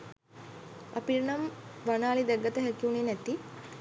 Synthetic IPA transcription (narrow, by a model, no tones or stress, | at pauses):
ɐ̰piɾɳɐmʋanaːlid̪ɛɡət̪əɦɛkiuɳinɛt̪ːi